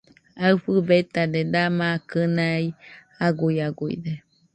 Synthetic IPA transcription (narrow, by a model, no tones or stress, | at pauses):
aɨfɨbet̪ad̪ed̪amakɨnaj | aɡujaɡuḭd̪e